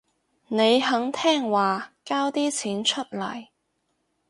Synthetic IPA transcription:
ne˨˧jɦɐ˨˥ŋt̪ʰɛː˥ŋwaː˨kaː˥wt̪iː˥t͡sʰiː˨˥nt͡ʃʰɵ˥t̚lɐ̰˨˩j

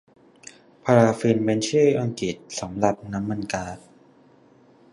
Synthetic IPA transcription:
pʰaː˧ɾaː˧fi˧nme˧˥nt͡ɕʰɯː˥˩ʔa˧ŋki˨˩t̪̚sa˩˦mɾa˨˩p̚na˦˥mːa˧nkaː˧˥t̪̚

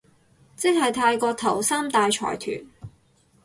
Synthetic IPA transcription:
t͡sɪ˥k̚hɐ˨jt̪ʰaː˧jkɔː˧k̚t̪ʰɐ˨˩wsaː˥mt̪aː˧jt͡ʃʰɔ̰ː˨˩jt̪ʰy̰ː˨˩n

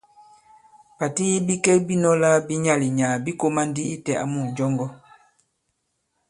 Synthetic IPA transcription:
pa˨ti˦bi˦kɛ˦bi˦nɔ˦la˦bi˦ɲa˦li˨ɲa˨bi˦ko˦ma˦ndi˦i˦tɛ˨a̰˨mu˨d͡ʒɔ˦ŋɡɔ˦

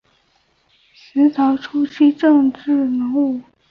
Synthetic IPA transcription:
s̩˧˥t̪ʰɑ˧˥ʊʈ͡ʂʰu˥t͡ɕʰi˥˧ʈ͡ʂɤ˥˧ŋʈ͡ʂɻ̩˥˩nə˧˥ŋu˥˩

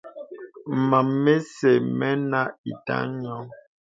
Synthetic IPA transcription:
ma˨mːe˦sɛ˨mɛ˦na˦ḭ˨ta̰˦ɲɔ˦

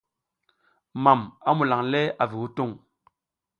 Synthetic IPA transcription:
ma˨ma˨˦mu˨la˨ŋlɛ˦a˨vi˨ku˦to˦˨ŋ

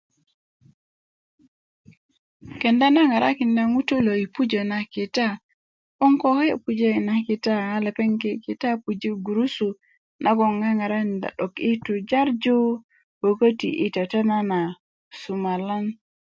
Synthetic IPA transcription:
ke˨nda˦na˦ŋa˨ɾʔa̰˦ki˨nda˦ŋu˦to˦lo˨i˨pu˦d͡ʒo˨na˨ki˨ta˦ | o˦ŋko˦ke˦˨pu˨d͡ʒe˦i˨na˦ki˨ta˦a˦le˨pe˦ŋke˦ki˨ta˦pu˨d͡ʒi˦ɡu˨ɾu˦su˨ | nʔa˦ɡo˨ŋa˦ŋa˨ɾa˦˨nda̰˨ɗo˨ki˦tu˨d͡ʒa˦ɾd͡ʒo˦ | wo˨kə˦tḭ˨ʔi˨ta˨ta˦na˦na˨ | su˨ma˨la˦n

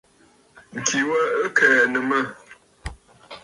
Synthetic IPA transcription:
ŋ̩˨kʰi˨wə˦ə˦kʰɛː˨nə˨mə˦˨

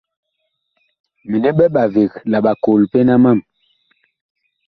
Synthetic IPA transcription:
mi˨ne˦ɓɛ˦ɓa˨ve˨kla˨ɓa˨ko˨lpe˦na˦ma˦˨m

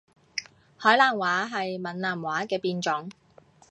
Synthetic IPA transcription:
hɔː˨˥jlaː˨˩nwaː˨˥ɦɐ˨jmɐ˨nlaː˨˩mwaː˨˥kɛː˧piː˧nt͡ʃʊ˨˥ŋ

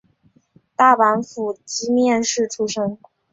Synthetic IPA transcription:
t̪a˥˩pa˧˥nfu˨˩t͡ɕi˧˥mjɛ˥˧nʂɻ̩˥˩ʈ͡ʂʰu˥ʂɤ˥ŋ

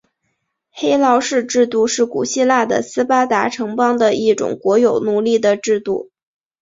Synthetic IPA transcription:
xe˥ɪlɑ˧˥ʊʂɻ̩˥˧ʈ͡ʂɻ̩˥˧t̪u˥˧ʂɻ̩˥˩kṵ˨˩ɕi˥˧la˥˩d̪ə̰˩sɹ̩˥pa˥t̪a˧˥ʈ͡ʂʰɤ˧˥ŋpɑ˥ŋd̪ə˨˧i˥˩ʈ͡ʂʊ̰˨˩ŋkwɔ˧˥jo˨˩ʊnu˨˩li˥˩d̪ə˩ʈ͡ʂɻ̩˥˧t̪u˥˩

